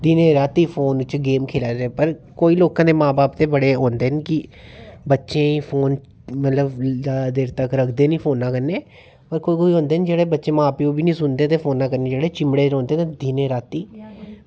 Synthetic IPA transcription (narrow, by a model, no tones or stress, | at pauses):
d̪iːnẽːɾaːt̪iːpʰoːnɪt͡ʃɡeːmkʰeːlaːd͡ʒeːpəɾkoːiːloːkãːd̪eːmãːbaːpt̪eːbəɽeːɦõːnd̪eːnkɪbətːʃẽːipʰoːn | mət̪ləb̪ad̪eːɾt̪əkɾəkʰd̪eːnĩːpʰoːnːãːkəɾneː | pəɾkoːiːkoːiːɦõːnd̪eːnd͡ʒeːɽeːbətːʃẽːmãːpiːoːbʱiːnĩːsʊnd̪eːt̪eːpʰoːnːãːkəɾneːd͡ʒeːɽeːt͡ʃɪmɽeːɾõːnd̪eːt̪ed̪iːneːɾaːt̪iː